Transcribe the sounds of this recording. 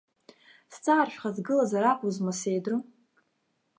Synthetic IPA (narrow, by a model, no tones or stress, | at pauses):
st͡sʼaːrʃᶣχazɡɨlazaɾapʼuzmasejdrɨ